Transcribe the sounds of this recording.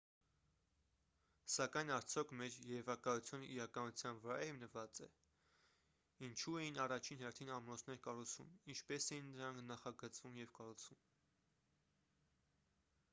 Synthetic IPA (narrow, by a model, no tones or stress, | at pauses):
sɑkɑjnɑɾt͡sʰjɔkʰmɛɾjɛɾɛvɑkɑjut͡sʰjunḭɾɑkɑnut͡sʰjɑnvəɾɑ̰himnəvɑt͡sɛ̰ | int͡ʃʰuɛjinɑrɑt͡ʃʰinhɛrt̪ʰinɑmɾɔt͡sʰnɛɾkɑrut͡sʰvṵmint͡ʃʰpɛsɛjinːəɾɑŋkʰnɑχɑɡət͡svumjɛvkɑrut͡sʰvum